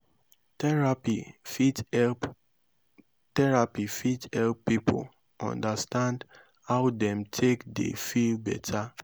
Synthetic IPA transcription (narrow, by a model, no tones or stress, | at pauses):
tpitɛ | tɛɹapifitɛlppipʰo̰l | ɔ̰̃ndastãnd | haʊdɛ̃mtʰekdḛfilbɛtʰa